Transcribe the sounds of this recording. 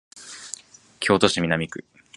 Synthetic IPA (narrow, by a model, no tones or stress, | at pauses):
kʲʰo̞ːt̪o̞ɕimʲinamʲikɯ̟